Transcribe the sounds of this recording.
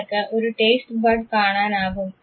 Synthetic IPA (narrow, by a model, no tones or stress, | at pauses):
kːɐʔɔɾɯʈeːsʈbɐɖkaːɳaːnaːɣɯm